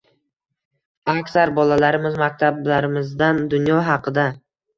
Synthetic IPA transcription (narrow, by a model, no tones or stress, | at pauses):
akʲsaɾbɒlalaɾɪmɪzmak̚ʲt̪ʰablaɾɪmɪzd̪and̪ʊnjɒɦɑqʰɨd̪a